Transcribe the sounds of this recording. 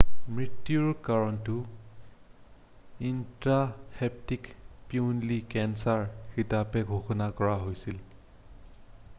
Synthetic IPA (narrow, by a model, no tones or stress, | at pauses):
mɹitːjuɹkaɹɔntʊ | intɹahɛp̚tikpiunlikɛnsaɹxitapɛɡʱoxɔnakɔɹaɦojsil